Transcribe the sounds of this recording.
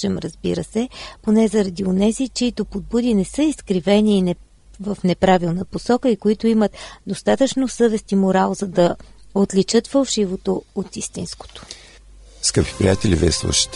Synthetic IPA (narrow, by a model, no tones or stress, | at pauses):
ɛmɾəzbḭɾəsɛponɛzɐɾɐd̪ionɛzit͡ʃɛit̪opod̪̚bud̪inɛsɤiskɾivɛniːnɛ | vəfnɛpɾavilˠnəposɔkəikoit̪oimət̪d̪ost̪at̪ət͡ʃnosɤvɛst̪imoɾalˠzɐd̪ɐot̪lit͡ʃɤt̪fɐlˠʃivot̪oot̪ist̪insko̥t̪o̥ | skəpi̥pɾḭjat̪ɛlʲivḭɛslˠṵʃə̥t̪